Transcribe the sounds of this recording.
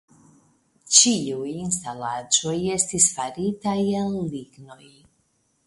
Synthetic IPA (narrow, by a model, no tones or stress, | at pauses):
t͡ʃijujinst̪alaːt͡sɔjest̪isfaɾiːt̪ajanliɡnoj